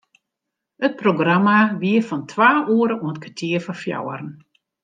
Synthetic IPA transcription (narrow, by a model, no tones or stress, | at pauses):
ət̚proɡramaʋiəfɔntʰʋaːʔuəɾəuət̚kʰatʰiərfɔfja̰wəɾn̩